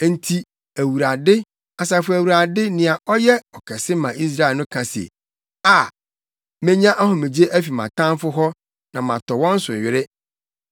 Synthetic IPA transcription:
n̩˦tʰi˨ | æ˨wu˨ɾa˨dɪ˦ | a˨sa˨fʊ˦æ˨wu˨ɾa˨dɪ˦nɪ̃˨a˨ʔɔ˦jɛ˦ɔ˨kʰɛ˨sɪ˦mã˨ʔi˦s̬ɾa˦˨nʊ̃˦kʰã˨sḛ˨ | a˨ | mẽ˦ɲã˦ʔa˦ɦɔ̃˨mẽ˨d͡ʑi˦e˦ʔæ˦fi˨mã̰˨tʰã˦m˦fʊ˦ɦɔ˦ | nã˨mã˨tɔ˨wɔ̃˦n̩˦sʊ̰˨ɥɪ˦ɾɪ˦

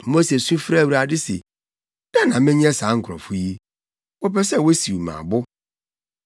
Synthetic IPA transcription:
mo˦se˨sũ˦fɾa˦˨wu˨ɾa˨dɪ˦sḛ˨ | da˦˨nã˨mɪ̃˦ɲĩ˦ɛ˦saː˨˦ŋ̩˨kʰɾɔ̰̃˨fʊ˦ji˦ | wɔ˦pɛ˦sɛ˦˨wo˦si˨wu˨mã̰ː˨bʊ˦

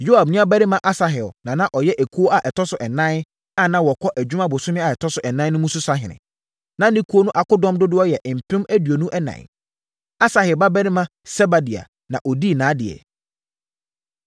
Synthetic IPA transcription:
jo˦a˨b̚nʊ̃˦a˦bæ˦ɾɪ̃˦mã˦ʔa˦sa˨ɦɛ˨ʊnã˨nã˦ʔɔ˨jɛ˦ʔɛ˨kʰu˦o˦a˨ʔɛ˨tʰɔ˦sʊ˨ʔɛ˨nã˦n˦ | a˦˨nã˦wɔ˨kʰɔ˦ʔæ˨d͡ʑᶣu˦mã˦bʊ˨sʊ̃˦mɪ̃˦a˨ɛ˨tʰɔ˦sʊ˨ʔɛ˨nã˦nʊ̃˦mũ˦sʊ˦sa˦ɦɪ̃˨nɪ̰̃˨ | nã˦nɪ̃˦kʰu˦o˦nʊ̃˦ʔa˨kʊ˦dɔ̃˦mdʊ˦dʊ˦ɔ˦jɛ˨ʔm̩˨pʰɾɪ̃˦mæ˦dɥo˨nũ˦ʔɛ˦nã̰˨ | a˦sa˨hɛ˨ba˦bæ˦nɪ̃˦mã˦ | sɛ˦ba˨di˨a̰˨ | nã˨ʔɔ˨di˦˨nãː˨˦dɪ˨ɛ̰˨

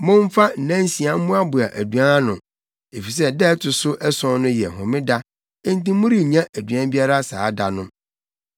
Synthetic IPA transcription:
mʊ̃˦ɱ˦fa˦n̩˨nã˦n˦sĩ˨ã˦m̩˦mũ˦a˦bʊ˨a˨ʔæ˨du˨ã˦nʊ̰̃˨ | e˨fi˨s̬ɛ˦dɛ˦tʰʊ˨sʊ˦ʔɛ˦sɔ̃˦nʊ̃˦jɛ˨ɦɔ̃˨mɪ̃˦da˦ | ɪ̃˦n̩˦tĩ˦mʊ̃˦ɾi˦˨ɲã˦ʔæ˨du˨ã˦bi˦a˦ɾa˦saː˨˦da˨nʊ̃˦

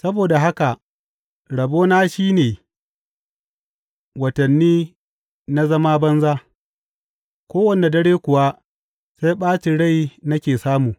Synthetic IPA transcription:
sɐ˦boː˨da˨ɦa˦ka˨ʔ | ɽɐ˨boː˦naː˦ʃiː˦neː˨ | wɐ˨tɐ˨nːiː˦ | na˦zɐ˦ma˦bɐ˦nzaː˦ | kʷoː˦wɐ˦˨ne˨dɐ˦ɽeː˦kʷʊ˨wa˦ | se˦jɓaː˦t͡ʃɪ˨ɽa˦˨jnɐ˦kʲeː˨saː˦muː˨

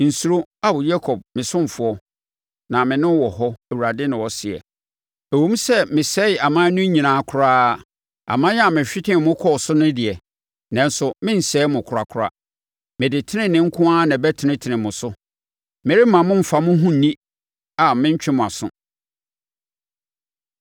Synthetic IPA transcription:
n̩˨su˨ɾo˦a˦bʊ˨jɛ˦kʰɔ˨b̚mɪ̃˨sʊ̃˦m˨fʊ˨ɔ˦ | nã˨mɪ̃˨nʊ̃˦wɔ˨hɔ˦æ˨wu˨ɾa˨dɪ˦nɪ̃˨wɔ˨sɪ˨ɛ̰˨ | æ˨wõ˦m˦sɛ˦mɪ̃˨sɛ˦˨a˨mãː˦nʊ̃˦ɲĩ˨nãː˨˦kʰʊ˨˦ɾaː˦ | a̰˨mã˦ja˨mɪ̃˨ɕᶣɪ˦tʰɪ̃˦m˨mʊ̃˦kʰɔ˦˨sʊ˦nɪ̃˦dɪ˨ɛ˨ | nã˨n˦sʊ˨mɪ̃˦n̩˨sɛː˦mʊ̃˨kʰɾa˨kʰʊ˨˦ɾa̰˦ | mɪ̃˨dɪ˨tʰɪ˦nɪ̃˦nɪ̃˦ŋ̩˦kʰʊ̃˦aː˦nã˨bɛ˦tʰɪ˨nɪ̃˦tʰɪ˨nɪ̃˨mʊ̃˨sʊ˦ | mɪ̃˨ɾɪ˦mã˨mʊ̃˦m̩˨fa˨mʊ̃˦ɦʊ̃˦n̩˨nĩ˦ | a˨mɪ̃˦ɲ̩˦t͡ɕᶣɪ̃˦mʊ̃˨a˨sʊ̰̃˦

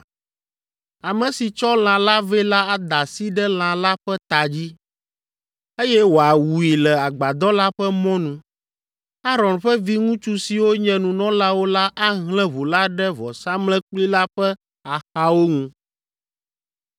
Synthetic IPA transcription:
a˨mɛ̃˨si˨t͡ʃɔ˦l̃ã˨la˦vɛ˦la˦a˦d̪a˨si˦ɖɛ˦l̃ã˨la˦ɸɛ˦t̪a˨d͡ʑi˦ | e˦jɛ˦wo˨a˨wu˨i˨lɛ˨a˨ɡ͡ba˨d̪ɔ˦la˦ɸɛ˦mɔ̃˦nũ˨ | a˦ɾɔ̃˨nɸɛ˦vi˦ŋũ˦t͡ʃu˦si˨wo˦ɲɛ̃˨nũ˨nɔ̃˦la˦wo˦la˦ʔa˦ɦlɛ̃˦βo˨la˦ɖɛ˦vɔ˨sa˦mlɛ̃˦k͡pli˦la˦ɸɛ˦ | a˨xa˦wo˦ŋũ˦

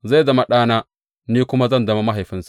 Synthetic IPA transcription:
za˦˨zɐ˨ma˨ɗaː˦naː˦ | niː˦kʷʊ˦ma˦zɐ˦˨ndɐ˦ma˨ma˦ɦa˨jɸɪ˦nsḁ˦˨

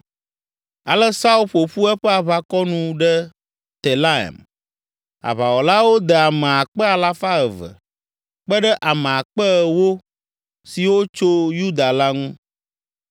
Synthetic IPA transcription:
a˨lɛ˦sa˦u˦ɸo˨ɸu˦ɛ˦ɸɛ˦a˨βa˦kɔ˦nũ˦ɖɛ˦ | t̪e˨la˦ɛ̰˨m | a̰˨βa˨wɔ˨la˦wo˦d̪ɛ˨a˨mɛ̃˨a˨k͡pɛ˦a˨la˦fa˦ɛ˨və̰˨ | k͡pə˦ɖɛ˦ʔa˨mẽ˨a˨k͡pɛ˦˨wo˦ | si˨wo˦t͡ʃo˦ju˦d̪a˨la˦ŋũ˦

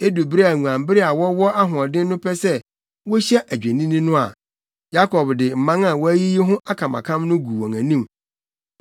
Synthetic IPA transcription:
e˦du˨bɪ˦ɾæ˨ŋũ˨ã˨m˦bɪ˦ɾɪ˦a˨wɔ˦wɔ˦a˦ɦʊ˨ɔ˨dɪ̃˦n˦nʊ̃˦pʰɛ˦sɛ˦ | wɔ˦ɕɛ˦ʔæ˨d͡ʑᶣẽ˨nĩ˦nĩ˦nʊ̃˦a̰˨ | ja˦kʰɔ˨bdɪ˨m̩˨mã˦ŋa˨wɔ˦æ˦ji˦ji˦ɦʊ̃˦ʔa˦kʰã˨mã̰˨kʰã˦mnʊ̃˦ɡu˨wɔ˨ŋæ̃˨nĩ˦˨m

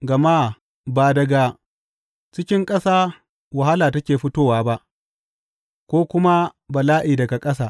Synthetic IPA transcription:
ɡɐ˨maː˦ | baː˨dɐ˦ɡaː˦ | t͡ʃɪ˦kʲɪ˦ŋkʼɐ˦saː˦ | wɐ˨ɦa˦laː˨tɐ˦kʲeː˨ɸʊ˦toː˦waː˨ba˦ʔ | kʷoː˦kʷʊ˦ma˦bɐ˨laː˦ʔiː˨dɐ˨ɡa˨kʼɐ˦s̬aː˦˨

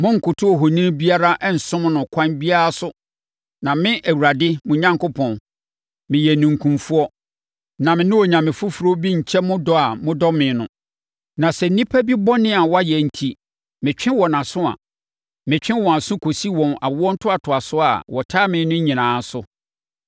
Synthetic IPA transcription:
mʊ̃˦ŋ̩˨kʰʊ˨tʰʊ˦ɔ˨ɦo˨nĩ˦bi˦a˦ɾa˦ʔɛ˦n̩˨sʊ̃˦m˦nʊ̃˨kʷʰã˦nbi˦a˦ɾa˦sʊ˦ | nã˨mɪ̃˦ʔæ˨wu˨ɾa˨dɪ˦mʊ̃˨ɲã˦ŋkʊ˦pʰɔ̃˨n | mɪ̃˨jɛ˨nũ˨ŋ̩˨kʰũ˨mfu˦ɔ˦ | nã˨mɪ̃˨nʊ̃˦wɔ˨ɲã˨mɪ̃˨fʊ˦fu˨ɾo˦bi˦ɲ̩˨t͡ɕʰɛ˦mʊ̃˦dɔ˦a˨mʊ̃˦dɔ˦mɪ̃˨˦nʊ̰̃˦ | nã˨sɛ˨n̩˨˦nĩ˦pʰæ˦bi˦bɔ˦nɪ̃˦a˨wɔ˦a˦jɛ˨n̩˨tʰi˦ | mɪ̃˨t͡ɕᶣɪ̃˦wɔ˨nã˨sʊ̃˦a̰˨ | mɪ̃˨t͡ɕᶣɪ̃˦wɔ̃˨a˨sʊ̃˦kʰo˨si˦wɔ̃˨na̰˨wɔ̃˦n̩˦tʰʊ˦a˨tʰʊ˨a˨sʊ˦a̰˨wɔ˨tʰaː˦mɪ̃˦nʊ̃˦ɲĩ˨nãː˨˦sʊ˦

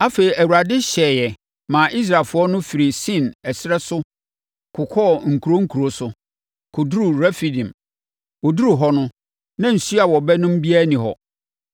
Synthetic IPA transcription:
a˦feː˨i˨æ˨wu˨ɾa˨dɪ˦ɕɛː˨jɛ˨ | mã˨ʔi˦s̬ɾa˨fʊ˨˦ɔ˦nʊ̃˦fi˨ɾi˨sĩ˦˨nɛ˨sɪ˦ɾɛ˦sʊ˦ | kʰʊ˨kʰɔ˦˨ŋ̩˨kʰu˨ɾo˦ŋ̩˦kʰu˨ɾo˨sʊ˨˦ | kʰʊ˨du˦ɾu˨ɾæ˦fi˨dĩ˨m | ɔ˨du˦ɾu˨ɦɔ˦nʊ̃˦ | nã˦n̩˨su˦a˨wɔ˨bɛ˦nʊ̃˦m̩˦bi˦a˦nĩ˨ɦɔ̰˨

